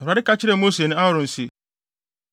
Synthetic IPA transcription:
a˨ɪ˦ka˦t͡ɕʰɪ˦ɾɛ˦˨mo˦se˨nʊ̃˦a˦ʊ˨ɾʊ̃˨n̩˨se˨

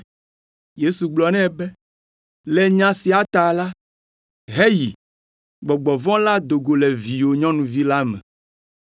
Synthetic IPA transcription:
je˦su˨ɡ͡blɔ˨nɛ̃˦˨bɛ˦ | lɛ˨ɲã˦si˨a˨t̪a˨la˦ | ɦe˦ji˨ | ɡ͡bɔ˨ɡ͡bɔ˨vɔ̃˦la˦d̪o˨ɡo˨lɛ˨vi˨wo˨ɲɔ̃˦nũ˨vi˦la˦mɛ̰̃˨

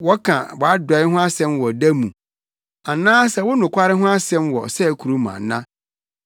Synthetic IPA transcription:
wɔ˦kʰã̰˨bɔ˨a˦dɔ˨˦ɪ˦ɦʊ̃˦a˦sɛ̃˦mwɔ˨dæ˦mũ˨ | a˨nãː˦sɛ˨wʊ˦nʊ̃˨kʷa˦ɾɪ˦ɦʊ̃˦a˦sɛ̃˦mwɔ̰˨sɛ˦˨kʰu˨ɾu˦mã̰˨˦nã˦

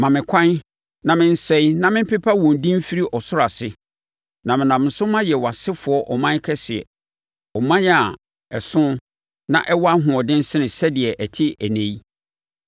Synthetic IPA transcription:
mã˨mɪ̃˨kʷʰã˦n | nã˨mɪ̃˦n̩˦sɛ̃˦nã˦mɪ̃˦m˦pʰɪ˦pʰa˦wɔ̃˨ndĩ˦m˦fi˦ɾi˦ʔɔ˨sʊ˦ɾa˨sɪ˦ | nã˨mɪ̃˨nã˨m˨n̩˨sʊ˦mã˦jɛ˨wa˨sɪ˦fʊ˨ɔ˦ʔɔ˨mã˦kʰɛ˦sɪ˨ɛ̰˨ | ɔ˨mã˦ja˨ | ɛ˨sʊ̃˦ | nã̰˨ʔɛ˦wɔ˦a˦ɦʊ̃˨ɔ˨dɪ̃˦n̩˦sɪ˦nɪ̃˨sɛ˦dɪ˨ɛ˨ʔæ˨tʰɪ˦æ˨næ̃˨i˦

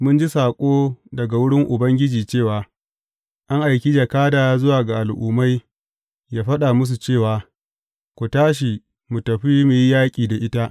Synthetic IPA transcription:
mʊ˦nd͡ʒi˦saː˨kʷʼoː˦dɐ˨ɡa˨wʊ˦ɽɪ˦ŋʔʊ˨bɐ˦ŋɡʲɪ˦d͡ʒiː˨t͡ʃeː˦˨waː˨ | ʔa˦ŋʔa˨jkʲi˦d͡ʒɐ˨kaː˦daː˨a˦zʊ˦waː˨ɡa˨ʔa˨lʔṵː˨ma˦j | jaː˦ɸɐ˦ɗa˨mʊ˦s̬u˨t͡ʃeː˦˨waː˨ | kʷu˨taː˦ʃ̬i˨ | mu˨tɐ˨ɸiː˦mu˨ji˦jaː˦kʲʼiː˨da˨ʔɪ˦ta˦ʔ

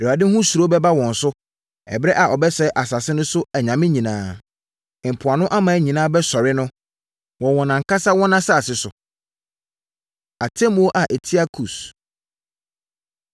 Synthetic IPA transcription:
i˨a˨dɪ˦hʊ̃˦su˨ɾo˦bɛ˦ba˦wɔ̃˨n̩˨sʊ˦ | ɛ̰˨bɾɛ˦ʔa˨ʔɔ˨bɛ˦sɛ˦ʔa˨sa˨sɪ˦nʊ̃˦sʊ˦æ˨ɲã˨mɪ̃˦ɲĩ˨nãː˦˨ | m̩˨pʰʊ˨a˨nʊ̃˦ʔa˦mã˨˦ɲĩ˨nãː˦bɛ˦sɔ˨ɾɪ˦nʊ̃˦ | wɔ̃˨wɔ̃˨nã˨ŋ̩˨˦ka˦sa˦wɔ̃˦nã˦sa˦˨sɪ˦sʊ˨ | a˨tʰɛ˦m˨˦o˦ʔa˨ʔe˨tʰi˦a˦kʰu˨s

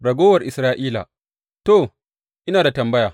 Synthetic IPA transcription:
ɽɐ˨ɡʷoː˦wɐ˨rʔɪ˨sɾaː˦ʔiː˦la̰ː˨ | toː˨ | ʔɪ˦naː˨da˨tɐ˨mbɐ˦jaː˨

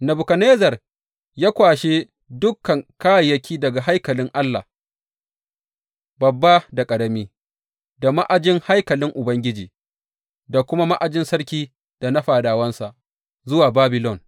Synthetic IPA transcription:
nɐ˨bʊ˨kɐ˨neː˦zɐ˨r | jaː˦kʷaː˨ʃe˦ | dʊ˦kːɐ˨ŋkaː˦ja˨jɐ˦kʲʰiː˦dɐ˨ɡa˨ɦa˦jkɐ˨lɪ˦ŋʔa˦lːa̰˨ | bɐ˨bːa˦da˨kʼɐ˨ɽɐ˦miː˦ | da˨ma˦ʔa˨d͡ʒɪ˦ŋha˦jkɐ˨lɪ˦ŋʔʊ˨bɐ˦ŋɡʲɪ˦d͡ʒiː˨ | da˨kʷʊ˦ma˦ma˦ʔa˨d͡ʒɪ˦nsɐ˦rkʲiː˦ | d̥a˨nɐ˦ɸaː˨daː˨wɐ˦nsa˨ʔ | zʊ˦waː˨baː˦bɪ˨lɔ˨n

